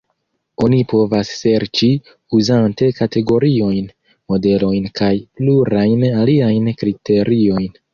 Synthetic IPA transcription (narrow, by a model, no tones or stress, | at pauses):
o̞nipʰo̞vasːe̞ɾt͡ʃi | uzante̞kate̞ɡo̞ɾio̞jn | mo̞de̞lo̞jnkʰajpluɾajnaliajnkɾitʰe̞ɾio̞jn